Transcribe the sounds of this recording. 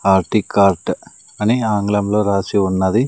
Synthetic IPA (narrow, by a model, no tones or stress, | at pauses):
aːɾʈikaːɾʈ | ɐniaːŋɡlɐmlo̞ːɾaːsiunːɐd̪i